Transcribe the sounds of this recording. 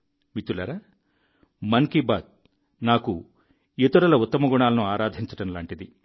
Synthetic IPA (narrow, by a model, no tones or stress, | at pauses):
mit̪ːulɐɾa | mɐŋkibaːd̪̚ | naːku | it̪uɾɐlɐut̪ːɐmɐɡuɳaːlɐnuaːɾaːd̪ʱiɲt͡ʃɐ̥ʈɐmlaːɳʈid̪i